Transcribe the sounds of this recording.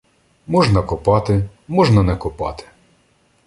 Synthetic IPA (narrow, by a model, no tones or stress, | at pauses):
mɔʒnɐkʊpɑt̪ɪmɔʒnɐnɛkʊpɑ̰t̪ɪ̥